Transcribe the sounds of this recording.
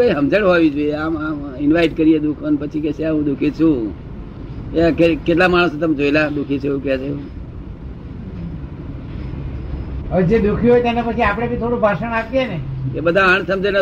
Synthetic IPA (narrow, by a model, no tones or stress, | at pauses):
əjɦəmd͡ʒəɽɦoʋid͡ʒoieamamɪnʋaiʈkəɾijed̪ukʰənpət͡ʃʰikɛt͡ʃʰeaɦũd̪ukʰit͡ʃʰũ | eakekeʈlamaɽ̃ust̪əmed͡ʒoelad̪ukʰit͡ʃʰeũket͡ʃeeɦũ | əd͡ʒed̪ukʰĩɦojt̪ɛnepət͡ʃʰiapɽ̃ebʱit̪ʰoɽũbʱaʃəɳ̃apjeneebəd̪ʱãaɳ̃səmd͡ʒen